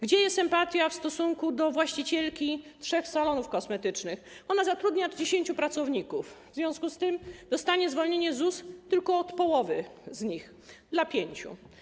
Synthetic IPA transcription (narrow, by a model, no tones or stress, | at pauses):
ɡd͡ʑɛjɛst̪ɛmpat̪ʲjafst̪ɔsuŋkud̪ɔvwaɕt͡ɕit͡ɕɛlkʲitʂɛxsalɔnufkɔsmɛt̪ɘt͡ʂnɘxɔnazat̪ɾud̪ɲadd͡ʑeɕeɲʲt͡ɕupɾat̪sɔvɲikufvzvʲjɔ̃w̃skust̪ɘmd̪ɔst̪aɲɛzvɔlɲeɲɛzust̪ɘlkɔːt̪pɔwɔvɘzɲix | d̪lapʲjeɲt͡ɕṵ